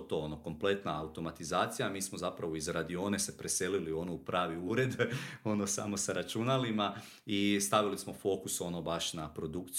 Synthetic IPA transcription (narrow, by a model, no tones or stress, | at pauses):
t̪o̞ːono̞ko̞mple̞t̪naːut̪o̞mat̪izaːt̪sijamiːsmozapɾaʋo̞izɾad̪io̞ne̞se̞pɾe̞se̞lilio̞noupɾʔaːʋiuːɾe̞d̪o̞no̞sa̰mo̞saɾat͡ʃunalima | ist̪aʋilismo̞fo̞kuso̞no̞baʃnapɾo̞d̪ukt̪s